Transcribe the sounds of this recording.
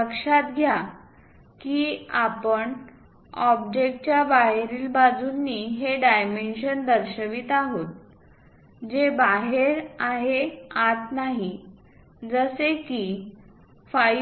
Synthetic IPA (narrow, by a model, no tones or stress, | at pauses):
əkʂat̪ɡʱja | kiːapəɳ | ɔbd͡ʑek̚ʈ̚t͡ɕjabaɦeɾiːlbad͡zunːiɦeɖajmenɕənd̪əɾɕəʋiːt̪aɦot̪̚ | d͡ʑebaɦeɾaɦeat̪naɦi | d͡zəseki | fa